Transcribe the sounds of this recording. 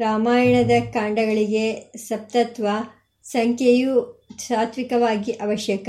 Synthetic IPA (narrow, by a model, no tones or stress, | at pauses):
ɾaːmaːjɐɳɐd̪ɐkaːɳɖɐɡɐɭiɡe̞sɐp̚t̪ɐt̪ʋɐ | sɐŋkʰjejusaːt̪ʋikɐʋaːɡiʔɐʋɐʃjɐkɐ